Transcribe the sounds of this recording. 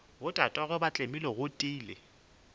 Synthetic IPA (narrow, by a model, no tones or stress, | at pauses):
bʊtʼatʼwaɣʊbat͡ɬʼemilɔɣʊtʼiːlɪ̰